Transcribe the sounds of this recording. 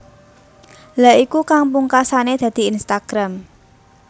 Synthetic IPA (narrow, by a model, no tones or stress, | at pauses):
laikukaŋpuŋkasaned̪̥ä̤d̪̥i̤inst̪aɡ̥ɾam